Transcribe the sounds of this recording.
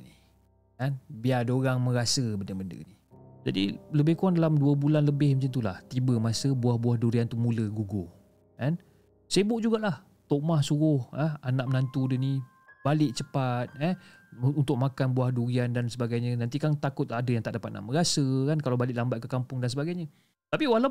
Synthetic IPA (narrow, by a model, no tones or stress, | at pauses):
ni | kanbiadəoɾaŋmə̃ɾasəbəndəbəndə̰ni | d͡ʒa̰dḭləbɪhkuaŋdalamduəbulanləbɪhmət͡ʃant̪ula̰ht̪ibəmasəbuahbuahduɾiant̪umuləɡuɡo | kan | sebʊʔd͡ʒuɡaʔlah | t̪oʔmahsuɾʊhəanaʔ̚mənant̪udəni | balɪʔt͡ʃəpat̪̚ɛhunt̪ʊk̚makanbuahduɾiandansəbaɡajɲənant̪ikant̪akʊt̪̚adəjaŋt̪aʔdapat̪̚na̰ʔmə̃ɾasəkankalawbalɪʔlambat̪̚kəkampʊŋdans̬əbaɡajɲə | t̪apiwala